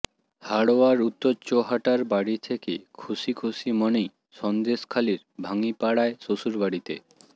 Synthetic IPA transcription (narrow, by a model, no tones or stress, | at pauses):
haɽoaɾut̪ːoɾt͡ɕoɦaʈaɾbaɽit̪ʰekekʰuʃikʰusimɔnej | ʃɔnd̪eskʰaliɾbʱaŋipaɽaeʃoʃuɾbaɽit̪ḛ